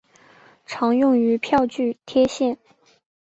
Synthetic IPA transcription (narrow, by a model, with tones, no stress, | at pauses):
ʈ͡ʂʰɑ˧˥ŋjʊ˥˩ŋy˧˥pʰjɑ˥˧ʊt͡ɕy˥˩t̪ʰjɛ˥ɕjɛ˥˩n